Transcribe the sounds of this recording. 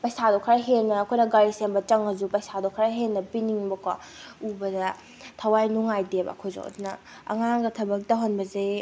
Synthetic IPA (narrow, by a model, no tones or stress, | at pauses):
pɐjsadokʰɐɾaɦelnɐːkʰojnɐɡaɾisembɐt͡ʃɐŋɐzupɐjsadokʰɐɾaɦennːɐpiniŋbɐkwa | ubɐdɐ | tʰɐwajnuŋajdebɐ̰kʰojzo̰ŋɐ̰dunɐ | ɐ̰ŋaŋɡɐtʰɐbɐk̚dɐɦonbɐze